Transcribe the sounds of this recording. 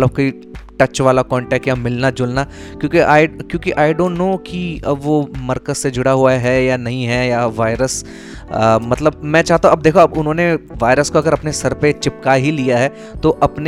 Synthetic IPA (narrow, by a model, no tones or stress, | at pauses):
ləb̚koːi | ʈɐt͡ʃʋaːlakɔːɳʈɛːk̚ʈjamɪlnad͡ʒʊlna | kjõːkiʔaːɪkjõːkiʔaːɪɖõːɳʈnoːkiɐbʋomɐɾkəzsed͡ʒʱʊɽaɦuaɦɛjanɐɦĩɦɛjaʋaːɪɾəs | mɐt̪ləb̚mɛ̃t͡ʃaːɦt̪aũɐb̚d̪eːkʰoɐbʊnɦõːneʋaːɪɾəskoɐɡəɾɐpnesɐɾpet͡ʃɪpkaɦilijaɦɛː | t̪oʔɐpne